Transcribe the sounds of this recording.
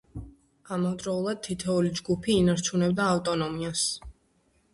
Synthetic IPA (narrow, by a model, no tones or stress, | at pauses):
amɔvd̪ɾɔulˠad̪̚t̪ʰit̪ʰɛulid͡ʒɡupʰiːnaɾt͡ʃʰunɛbd̪aːft̪ʼɔnɔmias